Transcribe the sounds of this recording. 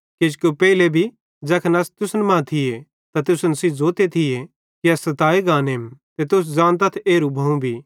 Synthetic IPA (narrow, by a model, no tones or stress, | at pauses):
kɪd͡ʒkopɛːɪlebʱi | d͡ʒɐkʰnɐst̪ʊsnmɐ̃t̪ʰɪje | t̪at̪ʊsnsizoːt̪et̪ʰɪje | kiɐsɐt̪aːiɡãːneːmt̪et̪ʊs̬d͡ʒãːñt̪ɐt̪ʰeːɾubʱɐũbʱiː